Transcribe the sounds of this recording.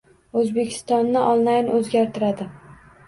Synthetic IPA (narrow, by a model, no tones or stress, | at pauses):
ɵzbe̞kʲʰɪ̥st̪ɒnːɪʔɒlˠlajnʔɵzɡʲaɾt̪ʰɪɾad̪ɪ